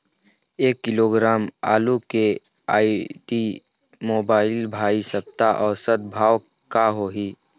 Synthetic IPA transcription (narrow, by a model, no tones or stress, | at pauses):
eːkːɪloːɡɾaːma̰ːluke | aːiʈi | moːbaːɪlbʱaːisəp̚t̪aʔɔːɾsət̪̚bʱaːw | kaɦoːɦiː